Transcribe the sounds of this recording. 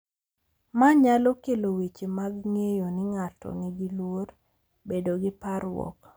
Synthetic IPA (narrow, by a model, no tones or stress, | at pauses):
maɲalɔkelowet͡ʃemaɡŋejonɪŋatɔ̰ŋiɡilwor | bedoɡɪpaɾwɔ̰k